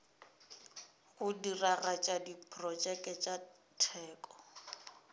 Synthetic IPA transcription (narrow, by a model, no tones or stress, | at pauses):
ɣʊdiraɣat͡ʃʼadipʰʼrɔd͡ʒɛkʼɛt͡ʃʼa | tʰɛːkʼɔ̥